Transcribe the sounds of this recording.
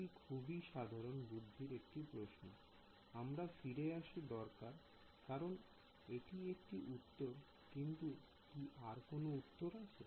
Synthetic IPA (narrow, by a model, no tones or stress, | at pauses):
ikʰubiʃad̪ʱaɾonbud̪ʱːiɾek̚ʈipɾoʃno | amɾafiɾeaʃid̪ɔɾkaɾ | kaɾon | eʈiek̚ʈiʔut̪ːoɾ | kint̪u | kiʔaɾkonout̪ːoɾat͡ɕʰe